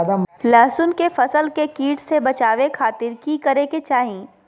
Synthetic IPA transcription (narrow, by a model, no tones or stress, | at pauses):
d̪amlɛːsʊnkefɐsəlkekiːʈsebɐt͡ʃaːʋekʰaːt̪ɪɾkikɐɾeket͡ʃaːɦĩː